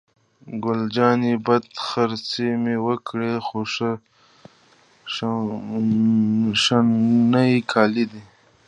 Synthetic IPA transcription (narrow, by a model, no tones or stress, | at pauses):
ɡʊld͡ʒɑːnibad̪xaɾt͡semewəkɽexoʂə | ʂanaikʰɑːlid̪i